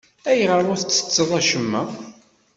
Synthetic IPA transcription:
æjʁəɾˤʊɾθt͡sːə̥t͡sːəðˤæʃəmːæ

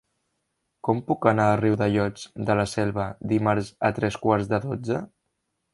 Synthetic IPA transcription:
kɔmpukənaːriwðəʎɔt͡ʃd̪ələsɛlˠβ̞əd̪imaɾzət̪ɾɛskwaɾzðəðod͡zə

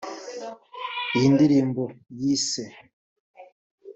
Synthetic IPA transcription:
ijiːndiɾiːmbojiːse

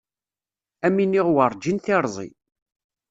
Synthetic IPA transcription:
æminiʁwəɾˤd͡ʒinθɪɾˤzˤḭ

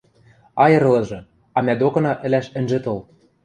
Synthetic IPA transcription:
ɑjɤ̆ɾɤ̆lɤ̆ʒɤ̆ | ɑmæd̪okɤ̆nɑʔɘ̆læʃɘ̆nʲʒɘ̆t̪ɤ̆l

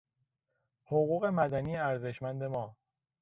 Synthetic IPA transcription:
hoɣuːɣe̞mæd̪æniːeæɾze̞ʃmænd̪e̞mɒː

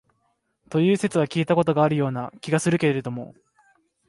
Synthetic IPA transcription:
t̪o̞jɯ̟ːse̞t͡sɨβakʲiːt̪ako̞t̪o̞ɡaːɾɯ̟jo̞ːnakʲiɡasɨɾɯ̟ke̞ɾɾe̞d̪o̞mo̞̰

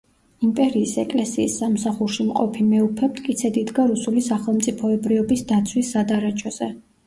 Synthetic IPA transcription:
impʼɛɾiːsɛkʼlɛsiːsːamsaχuɾʃimqʼɔpʰimɛupʰɛp̚t̪ʰʼkʼit̪sʰɛd̪id̪ɡaɾusulisaχɛlˠmt̪sʼipʰɔɛbɾiɔbisd̪at̪sʰwisːad̪aɾat͡ʃʰɔz̥ɛ

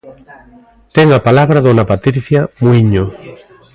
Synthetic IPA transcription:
t̪ɛŋapalaβɾaðonapat̪ɾiθjamuiɲo

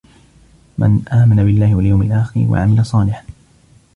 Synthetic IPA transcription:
mʔa̰nʔaːmanabɪlːaːhɪwaljawmɪlʔaːxɪɾwa̰ʕamɪlasˤɑːlɪħa

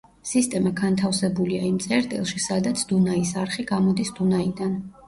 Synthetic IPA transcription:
sist̪ʼɛmaɡant̪ʰafsɛbuliaimt̪sʼɛɾt̪ʼḭlˠʃisad̪at̪sʰd̪unaisaɾχiɡamɔd̪isd̪̥unaid̪an

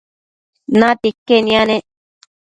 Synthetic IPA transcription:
nãt̪ikːenĩãnẽʔ

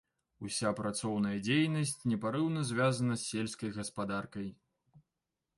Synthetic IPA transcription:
usʲapɾat̪sɔwn̪ɐjɐd͡zʲejnɐsʲt͡sʲnʲɛpaɾɨwnɐzʲvʲazɐnɐsʲːelʲskɐjɣɐspad̪arkɐj

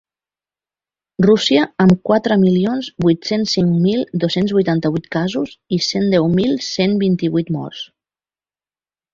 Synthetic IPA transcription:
rusiəəmkwat̪ɾəmilionzbujt̪sensːiŋmilˠd̪osenzβujt̪ant̪əβuit̪kazuzisend̪ɛwmilˠsembint̪iβujt̪mɔ̰ɾs

